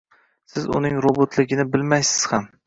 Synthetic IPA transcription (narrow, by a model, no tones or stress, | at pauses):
sɪzʊ̰nɪŋɾobot̪ʰlɪɡʲɪnɪbɪlmajsɪz̥ham